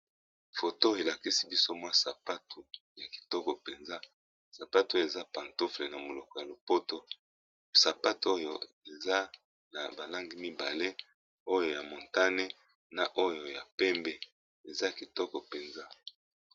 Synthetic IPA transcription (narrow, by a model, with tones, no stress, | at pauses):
fo˨to˦e˨la˨ki˦si˦bi˦so˦mwa˦sa˨pa˦tʰu˨ja˨ki̥˨tɔ˦kɔ˨pe˨nza˦ | sa˨pa˦tu˨˦o˦jo˦˨e˨za˦pa˨nto˦fle˨na˨mo˨lɔ˨kɔ˨ja˨lo˨po˦to˦ | sa˨pa˦tu˨˦o˦jo̰˨ | e˨za˦ | na˨ba˨la˦ŋɡi˦mi˦ba˨le˦ | o˦jo˨ja˨mo˨nta˦ne˦ | na˨ʔo˦jo˨ja˨pɛ˦mbɛ˨ | e˨za˦˨ki˨tɔ˦kɔ˨pe˨nza˦